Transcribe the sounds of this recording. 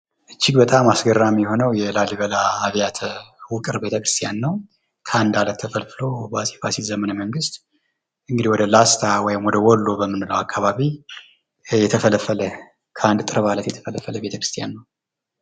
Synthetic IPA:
ʔɨt͡ʃːiɡbət̪ʼamasɡərːamjɛho̞nəwjɛlaliβəlaːβjat̪ʰwʊkʼɨɾbe̞t̪ʰəkɾɨst̪ʰijanːəw | kʰəand̪alət̪ʰːəfəlfɨlobasi̥fasizəmənəməŋɡɨst̪ | ʔɨŋɡɨd̪ihwɔd̪əlast̪ʰawɔjɪmwɔd̪əwɔlːo̞bəmːɨnɨləwakʰːaβaβi | jɛt̪ʰəfələfələ | kʰəand̪t̪ʼɨɾəβalət̪jɛt̪ʰə̥fələfələbe̞t̪ʰəkʰɾɨst̪ʰijanːəw

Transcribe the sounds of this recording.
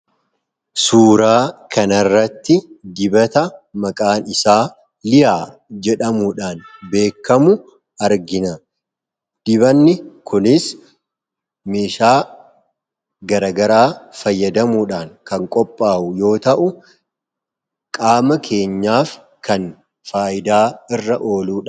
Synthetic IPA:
suːɾaːkɐnɐrːɐt̪ːɪd̪ɪbɐt̪ɐmɐkʼaːnɪsaː | lɪjaː | d͡ʒɛᶑɐmuːᶑaːnbe̞ːkːɐmʊ | ɐɾɡɪnɐ | d̪̥ɪbɐnːɪkʰʊnɪs | meːʃaː | ɡɐɾɐɡɐɾaːfɐjːɐd̪ɐmuːᶑaːŋkɐŋkʼɔpʼːaːʔʊjo̞ːt̪ɐʔʊ | kʼaːmɐkʰe̞ːɲːaːf | kʰɐn | faːʔɪd̪aːɪrːɐʔo̞ːluːᶑ

